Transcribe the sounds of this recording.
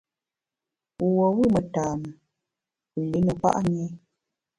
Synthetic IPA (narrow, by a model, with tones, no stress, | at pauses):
wɔ˨wu˦˨mə˨taː˨mə˨ | ə˨li˨˦nə˨pa̰˦ʔa˦ɲe˦